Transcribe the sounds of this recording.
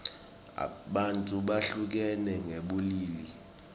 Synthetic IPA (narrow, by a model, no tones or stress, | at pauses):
a̰ɓantʼuɓaɬuk̬ɛnɛŋeɓuliːli